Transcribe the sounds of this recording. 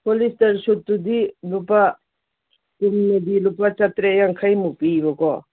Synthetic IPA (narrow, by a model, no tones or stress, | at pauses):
polistɐɾsut̪ːud̪ilupa | kumned̪ilupat͡ʃat̪ɾejaŋkʰajmupibɔkɔ